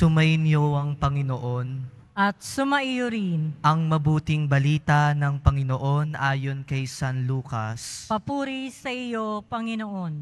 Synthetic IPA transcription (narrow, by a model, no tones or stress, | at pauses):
sʊmɐʔɪnjoɐŋpɐŋɪnoʔo̞n | ʔɐt̪̚sʊmɐʔijoɾinʔɐŋmɐbuːt̪ɪŋbɐliːt̪ɐnɐŋpɐŋɪno̞ʔo̞nʔaːjo̞nkɐjsanluːkɐ̰spɐpuːɾisɐʔɪjo̞pɐŋɪnoʔon